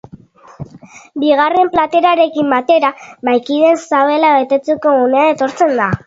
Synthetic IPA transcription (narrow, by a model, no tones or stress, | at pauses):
biɣare̞mplat̪e̞ɾaɾe̞kimbat̪e̞ɾaβajkið̞e̞nsaβe̞laβajt̪e̞t͡seko̞ɣune̞ae̞t̪o̞ɾt͡se̞nd̪a